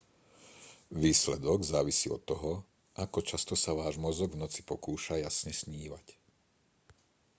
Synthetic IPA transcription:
ʋiːslɛd̪ɔɡzaːʋisiːɔ̰t̪ːɔɦɔ | ʔakɔt͡ʃast̪ɔsaʋaːʒmɔzɔɡvnɔt͡si̥pɔkuːʃajasɲɛsɲiːʋac

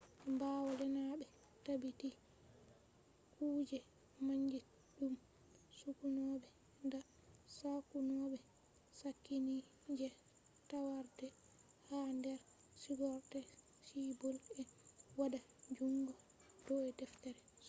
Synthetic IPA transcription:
mbawɔlɛnaɓɛ | tabiti | kuːd͡ʒɛ | maɲd͡ʒi | ɗum | sukunɔbɛ | nda | sakunɔbɛ | sakːini | d͡ʒɛ | tawaɾtɛ | handɛɾ | siɡɔɾtɛ | sibɔlɛwada | d͡ʒuŋɡɔ | d̥ɔɛdɛftɛɾɛ

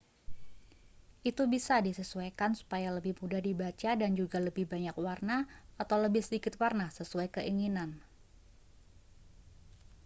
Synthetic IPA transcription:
ʔit̪ubisadisəsuakansu̥pajaləbɪhmudahdibat͡ʃadand͡ʒuɡaləbɪhbaɲakwarnaat̪awləbɪhsədikɪt̪warnasəsuajkəʔiŋinan

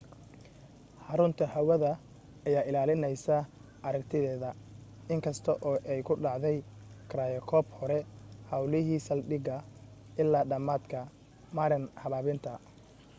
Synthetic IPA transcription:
ħɑɾʊnt̪ʰɐhɐwɐðɐ | ɐjaːʔɪlaːlɪnɛjsɐ | ʔɐɾɐkt̪ʰɪðɛːðɐ | ɪŋkʰɐst̪ʰɔʔɔːʔɛjkʰʊɖɑʕðɛjkʰɾaːjɐkʰɔːbhɔɾɛhɑwlɪɦiːsɐlɖɪɡɐʔɪlːaːɖɐmaːd̪kʰɐ | maːɾɪnhɐβaːβɪnt̪ʰɐ

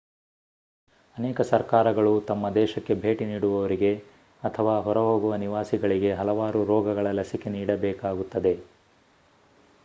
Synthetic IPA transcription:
ɐnɛːkɐsɐɾkaːɾɐɡɐɭut̪ɐmːɐd̪ɛːʃɐkːe̞bʱe̞ːʈiniːɽuʋɐʋɐɾiɡe̞ | ɐt̪ʰɐʋaːɦɔɾɐɦo̞ːɡuʋɐniʋaːsiɡɐɭiɡe̞ɦɐlɐʋaːɾuɾɔːɡɐɡɐɭɐlɐsike̞niːɽɐbɛːkaːɡut̪ːɐd̪e̞

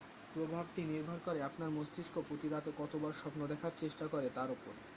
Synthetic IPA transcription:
pɾobʱab̚ʈiniɾbʱaɾkoɾeapnaɾmost̪iʃkopɾot̪iɾat̪ekɔt̪obaɾʃɔpnod̪ɛkʰaɾt͡ɕeʃʈakoɾet̪aɾopo̰ɾ

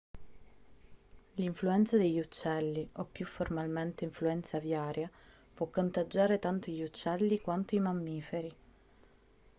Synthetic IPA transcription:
liɱfluɛnt̪sad̪eʎːut͡ʃːɛlːiʔopːjufːormalment̪eiɱfluɛnt̪savjaːɾja | pwɔkːont̪ad͡ʒːaːɾet̪ant̪oʎːut͡ʃːɛlːikwant̪oimamːiːfeɾi

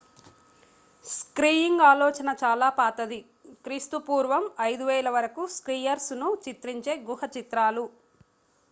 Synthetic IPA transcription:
skɾiːjiŋɡaːlɔːt͡ʃɐnɐt͡ʃaːlaːpaːt̪ɐd̪i | kɾiːst̪upuːɾʋɐmɐjd̪uʋɛːɭɐʋɐɾɐkuskɾiːjɐɾsnut͡ʃit̪ɾiɲt͡ʃe̞ːɡuhɐt͡ʃit̪ɾaːlu

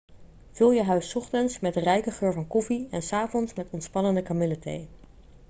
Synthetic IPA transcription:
v̥ɵlˠjəɦœɥsɔχtənsmɛdrɛjkəχøːɹvɑnkɔfiɛnsaːvɔnsmɛtɔntspɑnəndəkamɪlətḛj

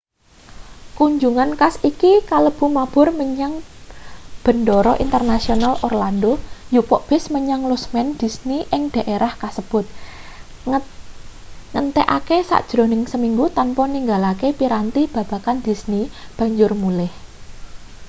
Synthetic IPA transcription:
kuɲd͡ʒuŋankasikikaləb̥ṳmab̥ʊ̤rməɲaŋ | b̥ə̤ndɔɾɔʔint̪ərnasionalʔorlandojupɔʔb̥ɪ̤sməɲaŋlusmɛnd̪̥i̤sniʔɪŋd̪̥a̤ʔeɾʔahkasəb̥ʊt̪̚ | ŋənt̪ɛʔakesa̰ʔd̥ʒ̥ɾo̤nɪŋsəmiŋɡut̪anpɔniŋɡalakepiɾant̪ib̥ä̤b̥a̤kand̪̥i̤snib̥ä̤ɲd͡ʒʊrmulɪh

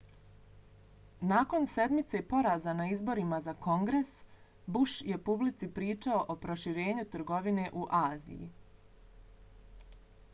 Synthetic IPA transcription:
naːko̞nse̞d̪mit̪se̞po̞ɾaːzanaizbo̞ɾimazako̞ŋɡɾes | buʃje̞publit̪sipɾiːt͡ʃao̞ʔopɾoʃiɾe̞ːɲut̪ɾ̩ɡo̞ʋine̞ʔuʔaːzḭjḭ

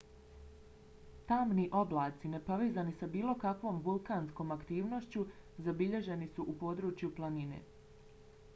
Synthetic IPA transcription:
t̪aːmniʔo̞blˠaːt̪sine̞po̞ʋeːzanisabiːlˠo̞kakʋo̞ːmʋulˠkaːnsko̞ːmakt̪iːʋno̞ʃt͡ɕu | zabiʎe̞ʒe̞nisuʔupo̞ːd̪ɾut͡ʃjuplˠanine̞̰ː

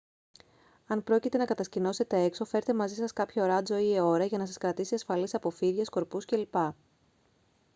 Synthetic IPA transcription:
ɐnpɾo̞cit̪e̞nɐkɐt̪ɐscino̞se̞t̪e̞e̞kso̞fe̞ɾet̪e̞mɐzisɐskɐpçɐɾɐd͡zo̞ieo̞ɾɐʝɐnɐsɐskɾɐt̪isiɐsfɐlisɐpo̞fiɾʝɐsko̞ɾpusce̞lipɐ

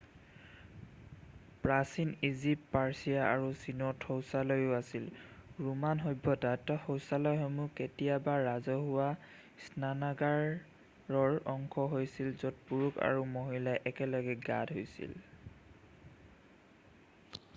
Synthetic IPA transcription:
pɹasinizipːaɹsijaa̰ɹusinɔtʰhɔwsalɔjʊasilɹumanɦojbʱːɔtatɔxɔwsalɔjɦɔjmuketijabaːazɔɦʊwa | snanaɡaɹː | ɔɹɔŋkʰɔɦojsilzɔt̚puɹuka̰ɹumoɦilaʔɛkɛlɔɡɛɡa̰dɦojsḭl

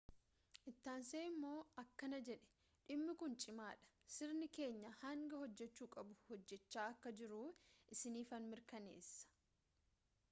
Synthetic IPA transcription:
ʔɪt̪ːaːnseːɪmːo̞ːɐkːɐnɐd͡ʒɛᶑɛ̥ | ᶑɪmːɪkʊnt͡ʃʼɪmaːᶑɐ̥ | sɪɾnɪke̞ːɲːɐhɐŋɡɐhɔd͡ʒːɛt͡ʃːuːkʼɐbʊhɔd͡ʒːɛt͡ʃːaːɐkːɐd͡ʒɪɾʊʔɪsɪniːfɐnmɪɾkɐnḛːsːɐ̥

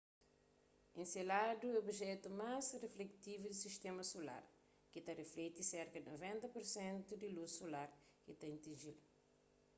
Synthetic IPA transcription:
ẽselad̪uɛobiʒɛt̪umazreflekt̪ivud̪isiʃt̪ɛmɐsola̰ɾ | kit̪ɐreflɛt̪isɛɾkɐd̪novẽnt̪ɐpuɾsẽnt̪ud̪ilussolaɾ | kit̪ɛ̃t̪ĩnʒilu

